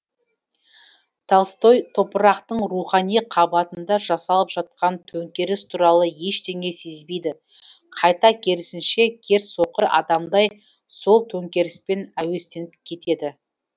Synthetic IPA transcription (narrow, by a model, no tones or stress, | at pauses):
t̪ʰɑlˠst̪o̞jt̪ʰo̞pəɾɑqt̪əɴɾuχɑnijqʰɑbɑt̪ənd̪ɑʒɑsɑlˠəpʒ̥ɑt̪̚qʰɑnt̪ʰɵŋkʲe̞ɾɪst̪ʰuɾɑlˠəje̞ʃt̪e̞ŋe̞se̞zbe̞jd̪ɪ | qʰɑjt̪ɑkʲʰe̞lɪsɪnʃe̞kʲʰe̞ɾso̞qəɾɑ̰d̪ɑmd̪ɑj | so̞lˠt̪ʰɵŋkʲe̞ɾɪspe̞næwe̞st̪e̞nɪpkʲʰe̞t̪e̞d̪ɪ